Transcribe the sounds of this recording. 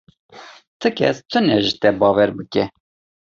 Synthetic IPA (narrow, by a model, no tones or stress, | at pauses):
t̪ʰɨkʲʰɛ̰st̪ʰɨnɛʒɨt̪ɛbɑːwɛɾbɨkɛ